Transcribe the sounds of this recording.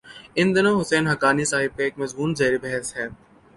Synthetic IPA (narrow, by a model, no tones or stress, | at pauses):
ɪ̃nd̪ɪnoːɦʊsɛːnɦɐkaːnisaːɦɪb̚keeːkmɐzmuːnzɐːɾibɛɦɛsɦɛː